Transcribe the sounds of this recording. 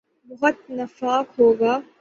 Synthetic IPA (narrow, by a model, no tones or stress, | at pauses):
bʊɦʊt̪̚nɐfaːkɦoːɡaː